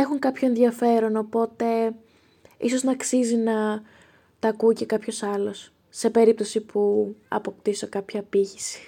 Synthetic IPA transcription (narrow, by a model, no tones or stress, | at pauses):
exuŋkɐpço̞enðiɐfe̞ɾo̞no̞po̞t̪e̞ | iso̞znɐːksizinɐ | t̪ɐkuice̞kɐpço̞sɐlo̞s | se̞pe̞ɾip̚t̪o̞sipʰuɐ̰po̞kt̪iso̞kɐpçɐpiçisi̥